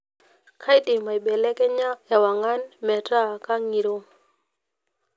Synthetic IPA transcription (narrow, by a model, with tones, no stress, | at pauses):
kʰa˦jɗɪ˨ma˨jɓɛ˨lɛ˦kɛ˦ɲa˦ja˨wa˨ŋa˦nmɛ˨ta˦ka˦ŋi˨ɾo˦